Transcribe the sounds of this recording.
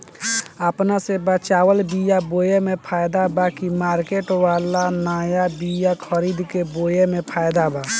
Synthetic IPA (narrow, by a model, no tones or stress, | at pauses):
əpnasebət͡ʃawəlbijabojemẽpʰajd̪abakimaːɾkeʈwalanaːjabijakʰəɾiːd̪kebojemẽpʰajd̪aba